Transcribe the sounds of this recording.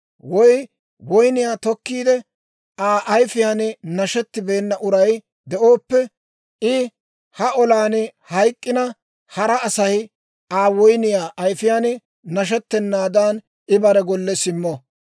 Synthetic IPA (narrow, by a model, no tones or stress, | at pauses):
wɔj | wɔjnɪjaːt̪ɔkːiːd̪ɛ | ʔaːʔɐjfɪjaːnɪnɐʃɛt̪ːɪbe̞ːnːɐʔʊɾɐj | d̪ɛʔo̞ːpːɛ | ɪ | hɐɔlaːnɪhɐjkʼːɪnɐ | hɐɾɐːsɐj | aːwɔjnɪjaːʔɐjfɪjaːnɪ | nɐʃ̬ɛt̪ːɛnːaːd̪aːn | ɪbɐɾɛɡɔlːɛsɪmːɔ